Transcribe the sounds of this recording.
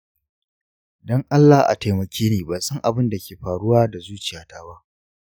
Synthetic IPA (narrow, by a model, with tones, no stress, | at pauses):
dɔ˦ŋʔa˦lːa˨hʔa̰˨ta˨jmɐ˨kʲʰeː˦neː˨ba˨sɐ˦ŋʔa˨bɪ˦nda˨kʲeː˨ɸaː˨ɽʊ˦waː˦da˨zuː˦t͡ʃɪ˨jaː˨taː˦ba˦ʔ